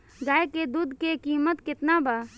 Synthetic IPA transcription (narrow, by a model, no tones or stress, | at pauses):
ɡaːeked̪uːd̪ʱkekiːmət̪kɪt̪nabaː